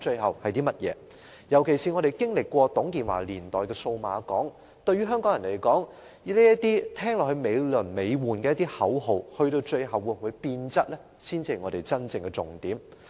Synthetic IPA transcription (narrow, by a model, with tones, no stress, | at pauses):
t͡ʃɵ˧ɥɦɐ˨whɐ˨jt̪iː˥mɐ˥t̚jɛ̰ː˨˧ | jɐ˨˩wkʰe˨˩jsiː˨˩ŋɔː˨˧ɾe˨˩jkɪ˥ŋlɪ˨kʷːwɔː˧t̪ʊ˨˥ŋkiː˨˩nwa̰ː˨˩liː˨˩nt̪ɔː˨˩jkɛː˧so˧wma̰ː˨˧kɔː˨˥ŋ | t̪ɵ˧ɥyː˥ɦœː˥ŋkɔː˨˥ŋjɐ˨˩nle˨˩jkɔː˨˥ŋ | i˥ɐ˥t̪iː˥t̪ʰɛː˥ŋlɔ˨˩hɵ˧ɥme˨˧jlɵ˨˩nme˨˧jwuː˨˩nkɛ˧jɐ˥t̪iː˥hɐ˨˥wɦo˨whɵ˧ɥt̪o˧wt͡ʃɵ˧ɥɦɐ˨wːu˨˧˩wu˨˧jpiː˧nt͡sɐ˥t̚lɛ˥ | siː˥nt͡si˧hɐ˨˩ŋɔː˨˧ɾe˨˩jt͡sɐ˥nt͡sɪ˧ŋkɛ˧t͡sʊ˨˩ŋt̪iː˨˥m